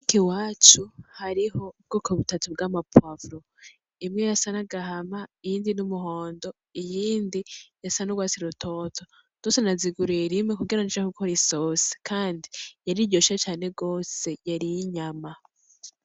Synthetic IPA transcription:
kiwaːt͡ʃuhaɾiɦo̞ub̚ɡoːkoβutatub̚ɡamapavɾo | imŋejasanaɡaɦamaijiːndinumuɦo̞ːndo̞ | ijiːndijasanoɡwaːt͡siɾutʰo̞ːtʰo | ɡ̥osenaziɡuɾieɾimŋekuɡiɾanaʃahuɡoɾisosi̥kaːndijaɾiɟo̞ʃat͡ʃaːne̞ɡo̞ːse̞jaɾijiɲama

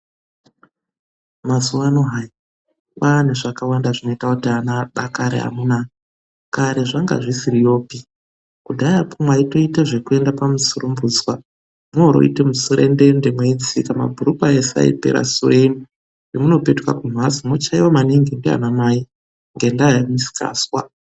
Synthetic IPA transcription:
masuwanoɦaj | waneʐakawandaʐino̞itakutianaɓakaɾḛɦa̰muna | kaɾe̞ʐaŋɡa̰ʐisirijo̞ːpi | kudʱajapomwaito̞itaʐe̞kue̞ndapamusurumbuːd͡zwa | muoɾo̞̰itemusuɾende̞ndemweid͡zikama̰bʱuɾupaesa̰ḭpḛɾa̰sueni | jemuno̞pe̞tka̰kum̤asimot͡ʃaiwamaniŋɡendea̰namaːi | ŋɡe̞ndaːjamisi̥ka̰ːswa̰

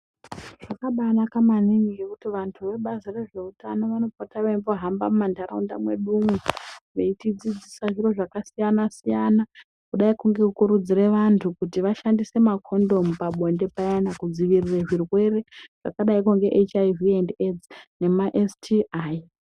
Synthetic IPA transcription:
ʐ̥akaɓanakamaniŋɡiekutiʋantʰuʋe̞ɓazire̞ʐe̞utano̞ʋano̞potaʋeimboɦamba̰mumandaɾaunda̰mwe̞̰ɗumweʋeitid͡zid͡zisaʐiro̞ʐakasijanasijana | kuɗaikuŋɡe̞kukuɾud͡zire̞ʋantʰukutiʋaʃandise̞makʰo̞ndo̞mupaɓo̞nde̞pajanakud͡ziʋirireʐirwe̞re̞ʐ̥a̰kaɗaikuŋɡe̞ʔet͡ʃajviended͡zne̞maʔestʰiʔa

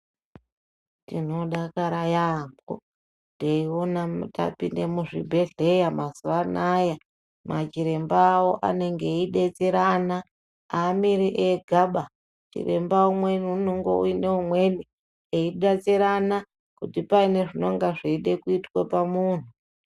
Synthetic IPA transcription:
tino̞ɗakaɾajambo̰ | teionata̰pinde̞muʐḭbʱe̞ɮe̞jamazuanaja | mat͡ʃiɾe̞mbaːwo̞ʔa̰ne̞ŋɡe̞iɗet͡seɾana | aːmiɾiʔeɡʱaɓa | t͡ʃḭre̞̰mbaumwe̞nun̤uŋɡo̰ṵine̞umwe̞ni | eiɗat͡seɾana | kutipaine̞ʐino̞ŋɡaʐeiɗekuitwapamuːn̤u

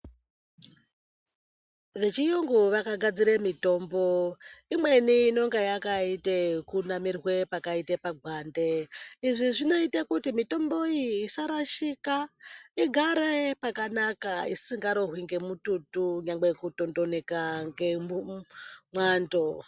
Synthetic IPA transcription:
ʋe̞t͡ʃijoŋɡuʋakaɡʱad͡ziɾemito̞mbo̞imwe̞niːno̞ŋɡejakaitekunamirwe̞pakaitepaɡʱwandeiʐiʐino̞itekutimito̞mbo̞iːsaɾaʃikaiɡʱaɾepakanakaḭsiŋɡaɾoɦwiŋɡe̞mututuɲaŋɡekutondo̞ne̞kaŋɡemu | mwaːndo

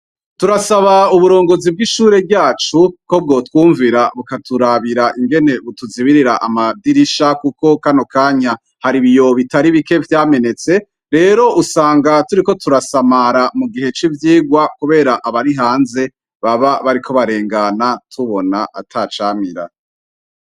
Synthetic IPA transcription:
tuɾasaβauβuɾo̞ːŋɡo̞zib̚ɡiʃuːɾe̞bɟaːt͡ʃuko̞b̚ɡo̞ːtwuːɱviɾaβukatuɾaβiɾaʔiŋɡe̞ne̞βutuziβiɾiɾaʔamadiɾiʃakuko̞kano̞kaːɲa | haɾiβijo̞βitaɾiβike̞vjaːme̞ne̞t͡se̞ | ɾe̞ːɾo̞ʔusaːŋɡatuɾiko̞tuɾasamaɾamuɡiɦe̞t͡ʃivjiːɡwakuβe̞ːɾaʔaβaɾiɦaːnze̞ | βaβaβaɾikʰo̞βaɾe̞ːŋɡanatʰuβo̞naʔa̰tʰat͡ʃaːmiɾa̰

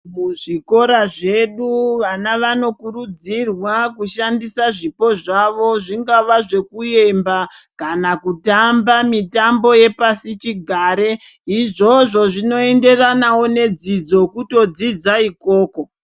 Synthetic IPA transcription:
muʐiko̞ɾaʐe̞ɗuʋanaʋano̞kuɾud͡zirwakuʃandisaʐipo̞ʐaʋo̞ʐiŋɡaʋaʐe̞kuje̞mba | kanakutambamitambo̞je̞pasit͡ʃiɡʱaːɾe̞ | iʐo̞ʐo̞ʐino̞e̞nde̞ranawone̞d͡zid͡zo̞kuto̞d͡zid͡zaiko̞ːko̞

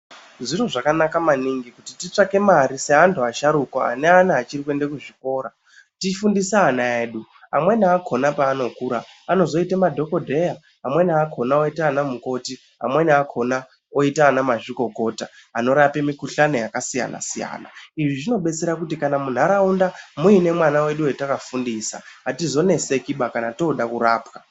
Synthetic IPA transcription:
ʐiroʐakanakamaniŋɡikutitit͡ʂake̞maɾiseɦantʰuaʃaɾukwaa̰neanaat͡ʃirikwe̞ndekuʐiko̞ːɾa | tifundisaːnaeːɗu | a̰mwe̞niakʰo̞napaːno̞kuːɾaano̞zo̞itemadʱo̞ko̞dʱe̞jaː | mwe̞nakʰo̞naoitaːnamuko̞ti | a̰mwe̞niakʰo̞na | oitaːnamaʐiko̞ko̞taano̞ɾapemikuɬano̞jakasija̰na̰sija̰ːna̰iʐiʐino̞ɓe̞t͡se̞ɾakutikanamun̤aɾaundamuine̞mwanawe̞ɗuwetakafundisa̰ɦatizo̞ne̞se̞kiɓakanato̞ɗakuɾaːpka

